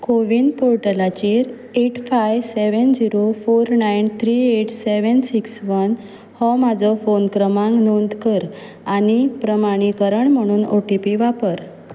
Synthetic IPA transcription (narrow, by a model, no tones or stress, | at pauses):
koʋiːnpoɾʈəlat͡ɕiɾ | eʈfajʋseʋənd͡ʑiɾofoɾnajnt̪ʰɾieʈseʋənsiksʋən | hɔmad͡zɔfonkɾəmãŋknond̪kəɾ | añipɾəmaɽ̃ikəɾəɳm̤əɽ̃uːnoʈipiʋapəɾ